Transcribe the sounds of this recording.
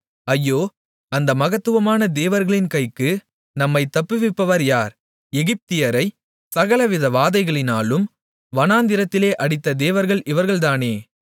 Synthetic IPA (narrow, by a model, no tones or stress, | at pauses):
ɐjːoː | ɐnd̪ɐmɐɣɐt̪ːɯʋɐmaːnɐd̪eːʋɐɾɣɐɭɪnkɐɪkːɯ | nɐmːɐɪt̪ːɐpːɯʋɪpːɐʋɐɾjaːɾ | ɛɣɪp̚t̪ɪjɐɾɐɪ | sɐɣɐlɐʋɪðɐʋaːðɐɪɣɐɭɪnaːlɯm | ʋɐnaːnd̪ɪɾɐt̪ːɪleːʔɐɽɪt̪ːɐd̪eːʋɐɾɣɐɭʔɪʋɐɾɣɐɭt̪aːneː